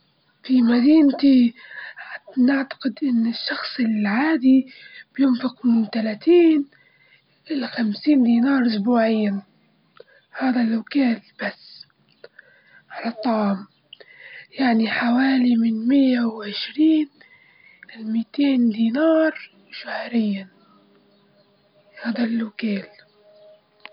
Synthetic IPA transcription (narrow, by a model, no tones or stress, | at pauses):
fimad̪iːnt̪i | naʕt̪ḁqɪd̪ʔɪnːɪʃːɑxsˤɪlʕaːd̪ibjʊnfɪqmɪnt̪alaːt̪iːn | ʔɪlaxamsiːnd̪iːnɑːɾˤʔʊsbuːʕɪjːa | haːðalawkaːlb̥asː | ʕalɑt̪ˤːɑʕm | jaʕniħawaːlimɪnmɪjːawʕɪʃɾiːn | ʔɪlmiːt̪eːnd̪iːnɑːɾˤ | ʃahɾɪjːa | haːd̪alːʊkeːl